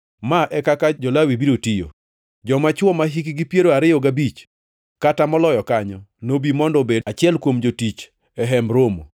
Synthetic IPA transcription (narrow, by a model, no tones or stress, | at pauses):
maʔɛkakad͡ʒɔlawibiɾotijo̰ | d͡ʒɔmat͡ʃwɔmaɦikiɡipjeɾoaɾɪjoɡabit͡ʃ | katamɔlɔjɔkaɲɔnobimɔndɔbeat͡ʃɪɛlkwomd͡ʒotit͡ʃ | ɛɦɛmɾomo̰